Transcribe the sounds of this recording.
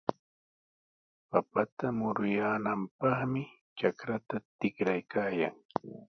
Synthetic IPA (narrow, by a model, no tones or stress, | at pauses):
papat̪amʊɾʊjaːnampɑχmɪ | t͡ʃakɾat̪at̪ɪkɾajkaːja̰ŋ